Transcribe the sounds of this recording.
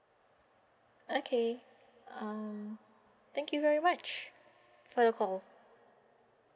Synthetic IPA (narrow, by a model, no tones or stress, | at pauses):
okʰe | ʌm | t̪ɛ̃ŋkjuvɛɹimat͡ʃ | fɔðəkʰɔl